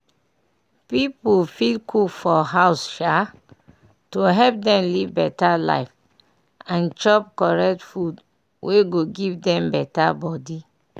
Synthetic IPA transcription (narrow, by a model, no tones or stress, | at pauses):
pipufilkʰufɔɦaʊsʃa | toɦɛp̚dɛ̃mlivbɛtala̰ɪf | ãnt͡ʃɔp̚kɔɹɛk̚tfud | wʔeɡoɡivdɛ̃mbɛtabɔdi